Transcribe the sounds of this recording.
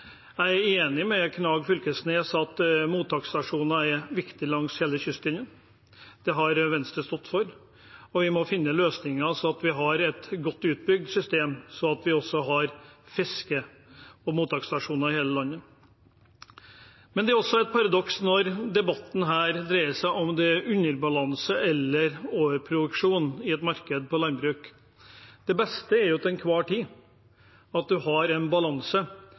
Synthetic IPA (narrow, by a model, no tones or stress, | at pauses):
æɪæɾeːnɪmɛkʰnɑːɡfʏlkəsneːsɑt̪muːt̪ʰɑkst̪ɑʂuːnɑɛʋɪkt̪ɪlɑŋsheːləçʏst̪ɪnən | d̪̥ɛɦɑɾʋɛnst̪ɾəst̪ɔt̪ːfɔɾ | ɔʋɪmɔfɪnːəløːsnɪŋɑsɔɑt̪ʋɪɦɑɾɛt̪ɡɔt̪ːʉːt̪̚bʏɡ̚d̪sʏst̪eːmsɔɑt̪ʋɪɔsːɔɦɑɾfɪskə | ɔmuːt̪ʰɑːkst̪ɑʂuːnɑɪheːləlɑnːə | mɛnd̪ɛæɾɔsːɔæɪt̪̚pʰɑɾɑd̪ɔksnɔɾd̪ɛbɑt̪ːn̩ɦæːɾd̪ɾæɪəsæɪʔɔmd̪ɛʔʉnəɾbɑlɑnsəʔɛlːəɾoːʋəɾpʰɾʊd̪ʉkʂuːnɪɛt̪mɑɾkəd̪̚pɔlɑnbɾʉːk | d̪̥ɛbɛst̪əɛɾjʊt̪ɛnkʰʋɑːʈʰiː | ɑt̪̚d̪ʉɦɑɾɛnbɑlɑnsə